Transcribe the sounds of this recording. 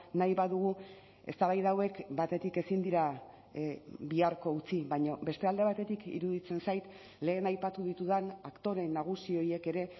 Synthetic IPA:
najβaðuɣ̞u | e̞st̪aβajðawe̞kbat̪e̞t̪ike̞sind̪iɾa | biaɾko̞ut͡siβajɲo̞be̞st̪e̞ald̪e̞βat̪e̞t̪ikḭɾuðit͡se̞nsajt̪ | le̞ːnajpat̪uðit̪uðanakt̪o̞ɾe̞nːaɣ̞usio̞je̞ke̞ɾe̞

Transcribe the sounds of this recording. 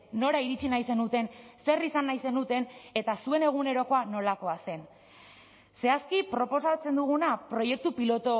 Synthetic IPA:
no̞ɾaiɾit͡sinajse̞nut̪e̞nse̞risanːajse̞nut̪e̞ne̞t̪asue̞ne̞ɣ̞une̞ɾo̞ko̞ano̞lako̞ase̞n | se̞askipɾo̞po̞sat͡se̞nd̪uɣ̞unapɾo̞je̞k̚t̪upilo̞t̪o̞

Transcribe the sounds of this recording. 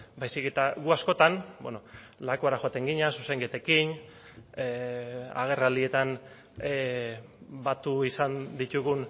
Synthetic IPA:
bajsiket̪aɣuasko̞t̪anbwḛno | lakoaɾaxo̞at̪e̞ŋɡiɲasuseŋɡet̪e̞kin | ea̰ɣ̞e̞rald̪ie̞t̪an | e | bat̪uisand̪it̪uɣun

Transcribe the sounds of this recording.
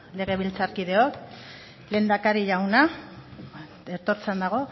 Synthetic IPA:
le̞ɣ̞e̞β̞ilt͡saɾkið̞e̞o̞k | le̞ːnd̪akaɾiʎawna | eɾt̪o̞ɾt͡send̪aɣ̞o̞

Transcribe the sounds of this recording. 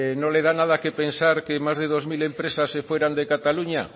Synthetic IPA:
nõleðanað̞akepensaɾkemajzðeð̞ozmilempɾesasːefweɾand̪ekat̪aluɲa̰

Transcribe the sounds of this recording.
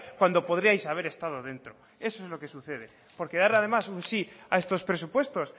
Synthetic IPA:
kwand̪o̞po̞ð̞ɾiajsaβ̞e̞ɾe̞st̪að̞oðe̞nt̪ɾo̞ | e̞soezlo̞ke̞suθe̞ð̞e | po̞ɾkeðaɾað̞e̞masunsiae̞st̪o̞spɾe̞supwe̞st̪os

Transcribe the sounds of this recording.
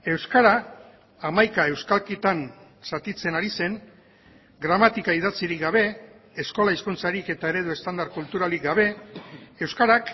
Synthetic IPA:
e̞wskaɾaː | majkae̞wskalkit̪an | sat̪it͡se̞naɾise̞n | ɡɾamat̪ikaið̞at͡siɾik̚ɡaβ̞e̞ː | sko̞laiskunt͡saɾike̞t̪ae̞ɾe̞ðue̞st̪and̪aɾkult̪uɾalik̚ɡaβ̞e̞ː | wskaɾak

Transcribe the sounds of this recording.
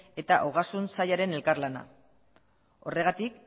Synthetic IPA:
e̞t̪aʔoɣasunsajaɾe̞ne̞lkarlana̰ | o̞re̞ɣat̪ik̚

